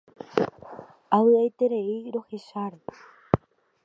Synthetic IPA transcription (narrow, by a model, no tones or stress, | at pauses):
aβɨejt̪e̞ɾe̞iɾo̞he̞ʃaɾe